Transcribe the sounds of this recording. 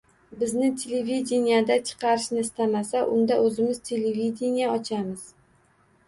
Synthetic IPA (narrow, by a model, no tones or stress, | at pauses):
bɪznɪt̪ʰelevid̪ʲenijad̪at͡ʃʰɨ̥qʰɑɾɪʃnɪɪst̪amasaʔʊnd̪aɵzɪmɪz̥t̪ʲʰelevid̪ʲenijaɒt͡ʃʰamɪz̥